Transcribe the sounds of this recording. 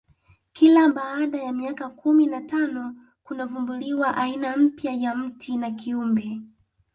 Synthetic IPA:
kilaɓaːɗajamiakakʰuminatanɔ | kunavumbuliwaʔainam̩pjajam̩tʰinakiumbɛ

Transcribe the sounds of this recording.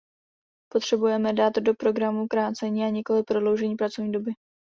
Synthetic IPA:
po̞t̪r̥ɛbujɛmɛdaːt̪do̞pɾo̞ɡɾamukɾaːt͡sɛɲiːaɲɛko̞lɪpɾo̞dlo̞wʒɛɲiːpɾat͡so̞vɲiːdo̞bɪ

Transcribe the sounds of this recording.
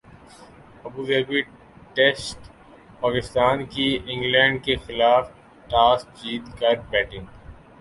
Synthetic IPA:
ɐbuːzeːɡi | ʈesʈ | paːkɪst̪aːnkiɪ̃ŋɡlɛ̃ːɳɖ̚kexɪlaːf | ʈaːsd͡ʒiːt̪kɐɾbɛːʈɪ̃ŋ

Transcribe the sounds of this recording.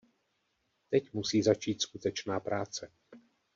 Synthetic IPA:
t̪ɛcmusiːzat͡ʃiːt̪skut̪ɛt͡ʃnaːpɾaːt͡sɛ

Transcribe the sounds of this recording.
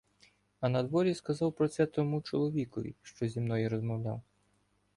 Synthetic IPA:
ɐnɐd̪ʋɔɾʲiskɐzɑwpɾɔt̪sɛt̪ɔmut͡ʃɔlˠɔʋʲikɔʋʲḭʃt͡ʃɔzʲimnɔjiɾɔzmɔwlʲa̰w

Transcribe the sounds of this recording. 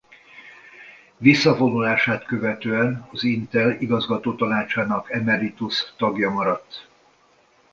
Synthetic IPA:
visːɒfo̞nulaːʃaːt̪kø̞vɛt̪øːɛnɒzint̪ɛliɡɒzɡɒt̪oːt̪ɒnaːt͡ʃaːnɒkɛmɛɾit̪ust̪ɒɡjɒmɒɾɒt̪ː

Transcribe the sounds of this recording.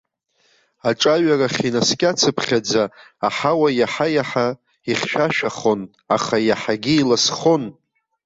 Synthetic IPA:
aʈ͡ʂʼaɥaraχʲinaskʲʼat͡sʰɨpʰχʲad͡zaː | ħawajaħajaħa | iχʲʃᶣaʃᶣaχo̞n | aχajaħaɡʲiilasχon

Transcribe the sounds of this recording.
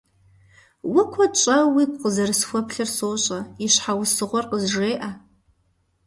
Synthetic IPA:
wʊkʷʰɐt͡ʃʼɐwiɡʷʼqəzɐrɨsxʷɔpʰɬɨrsoːɕʼɐiɕħawʊsɨʁʷɔrqəzʒeːʔa

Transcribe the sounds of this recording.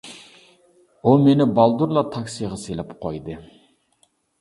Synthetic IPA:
olˠmenɪbɑlˠd̪uɾlˠɑt̪ʰɑksijʁɑselʲɛpqʰojd̪ɨ

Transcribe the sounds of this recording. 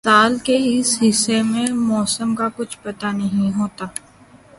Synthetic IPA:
saːlkeɪsɦɪsːemẽmɔːsəmkakʊt͡ʃʰpɐt̪anɐɦĩɦoːt̪aː

